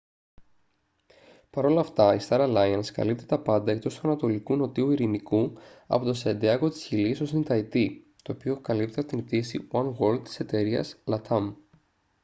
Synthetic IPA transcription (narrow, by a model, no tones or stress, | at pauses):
pɐɾo̞lɐft̪ɐist̪ɐɾɐlɐjɐnskɐ̰lip̚t̪it̪ɐpɐnd̪ɐe̞k̚t̪o̞st̪uɐnɐt̪o̞likuno̞t̪iuiɾinikuɐ̰po̞t̪o̞send̪iɐko̞t̪i̥sçiliso̞sint̪ɐjt̪i | t̪o̞ːpio̞kɐlip̚t̪iɐpot̪init̪iesiwɐnwo̞ɾld̪̚t̪i̥se̞t̪e̞ɾiɐ̰slɐt̪ʰɐm